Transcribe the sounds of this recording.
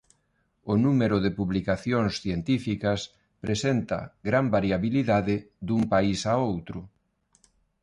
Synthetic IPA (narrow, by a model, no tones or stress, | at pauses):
ʊnumeɾʊðɪpuβlikaθjoŋsθjent̪ifikɐs | pɾesent̪ɐ̰ɡɾambaɾjaβiliðaðɪ | d̪umpaisaowt̪ɾʊ